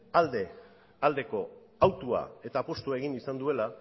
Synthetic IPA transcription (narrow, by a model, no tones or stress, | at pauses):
ald̪e | ald̪e̞ko̞ | awt̪ua̰e̞t̪aːpo̞st̪uae̞ɣ̞inisand̪ue̞la